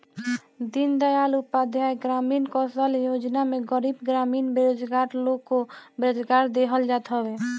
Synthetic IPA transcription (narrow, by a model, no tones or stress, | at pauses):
d̪ind̪əjalupːad̪ʱjaeɡɾaminkɔsəljod͡ʒnameɡəɾibɡɾaminbeɾod͡ʒɡaɾlokːobeɾod͡ʒɡaɾd̪eɦəld͡ʒat̪ɦɔbe